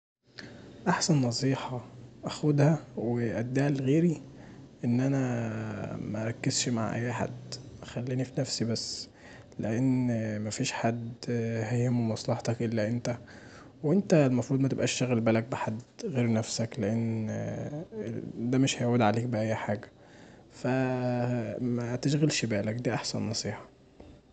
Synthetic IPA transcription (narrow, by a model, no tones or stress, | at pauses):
ʔaħsænːɑsˤiːħɑʔæxod̪hæweʔæd̪ːæːlɣeːɾiʔenːʔænæ | mæʔɑɾˤɑkːezʃma̰ʕʔæ̰jːħa̰d̪ːʔæxælːiːnifinæfsibæsː | leʔenːmæfiːʃħad̪ːhæemuwemɑsˤlɑħt̪ˤɑkʔelːæʔent̪æ | wʔent̪ælmɑfɾˤuːd̪ˤmæt̪ebʔæ̰ːʃtæɣælbæːlæk̚beħad̪ɣeːɾnæfsækleʔenː | d̪æmeʃhæjʕwed̪ʕaleːk̚bæʔʔæjːħaːɡæ | fæ | mæt̪eʃɣælʃibæːlækd̪æːʔɑħsænːɑsˤiːħɑ̥